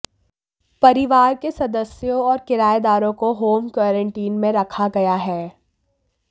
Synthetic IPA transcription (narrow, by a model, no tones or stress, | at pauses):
pɐɾɪʋaːɾkesɐd̪əsjõɔːɾkɪɾaːjed̪aːɾõkoɦoːmkwaːɾə̃ɳʈiːnmẽɾɐkʰaɡɐjaɦɛː